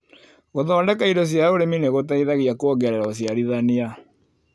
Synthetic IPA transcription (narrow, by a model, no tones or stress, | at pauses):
ɣoðɔːndɛkaidos̬jaoɾemineɣotaiðaɣiakwɔɡɛɾɛɾaos̬jaɾiðania